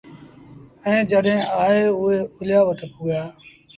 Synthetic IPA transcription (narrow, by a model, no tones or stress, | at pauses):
ɛ̃ːd͡ʒəɗɦẽːaːɦeːʊɦeːʊlɪjaːʋət̪ʰəpʰuːɡjaː